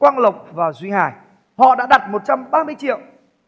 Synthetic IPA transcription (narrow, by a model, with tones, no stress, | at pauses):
kwaː˧nlə˨˩wk͡p̚vaː˨˩zwi˧haː˨˩j | hɔ̰˧˨ɗa̰ː˧˥ɗa˨˩t̚mo˨˩t̚t͡ɕa˧mɓaː˧mɨ˧əjt͡ɕḭ˧˨əw